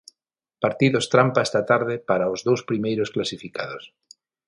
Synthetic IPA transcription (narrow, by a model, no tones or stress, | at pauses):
paɾt̪iðost̪ɾampaɛst̪at̪aɾð̞epaɾaozðowspɾimejɾosklasifikaðos